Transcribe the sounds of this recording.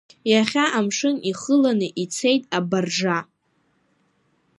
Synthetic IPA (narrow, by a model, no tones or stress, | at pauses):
jaχʲaʔamʂɨniχəlanɨʔit͡sʰe̞jtʼabarʐa